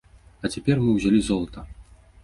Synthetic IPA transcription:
ɐt͡sʲapʲɛrmɨwzʲalʲizɔlˠɐt̪ɐ

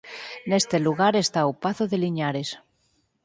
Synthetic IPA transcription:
nest̪eluɣaɾest̪aupaθoðeliɲaɾes

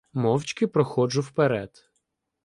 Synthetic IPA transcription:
mɔwt͡ʃʲkɪpɾɔxɔd͡ʒʊwpeɾɛd̪̥

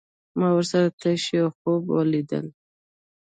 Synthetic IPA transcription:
mɑwəɾsaɾat̪ʰaʃiaxobwɑ̰lid̪ə̰l

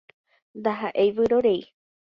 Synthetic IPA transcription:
nd̪aɦaʔejʋɨɾoɾe̞j

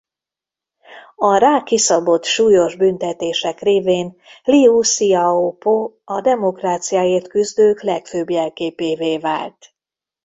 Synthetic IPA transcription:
ɒraːkisɒbo̞t̪ʃuːjo̞ʒbynt̪ɛt̪eːʃɛkreːveːn | liusiɒopo | ɒd̪ɛmo̞kraːt̪sijaːeːrt̪kyzd̪øːklɛkføːbjɛlkeːpeːveːva̰ːlt̪

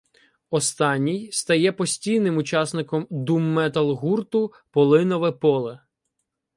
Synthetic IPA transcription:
ɔst̪ɑnʲːijst̪ɐjɛpɔsʲtʲijnɪmʊt͡ʃɑsnɪkɔmd̪umːɛt̪ɐlˠɦurt̪ʊ | pɔlˠɪnɔʋɛpɔlˠɛ

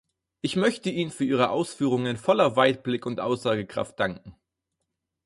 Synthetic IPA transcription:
ʔɪçmœçtəiːnənfyːɐiːʁ̞əʔa̰ʊsfyːʁ̞ʊŋənfɔlɐvaɪt̚b̥lɪkʊntʔa̰ʊsz̥aːɡəkʁ̥a̰ft̚d̥aŋkŋ̩

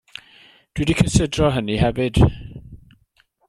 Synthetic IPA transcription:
d̥widikʰəsədrɔɦəniɦɛvɪd̥

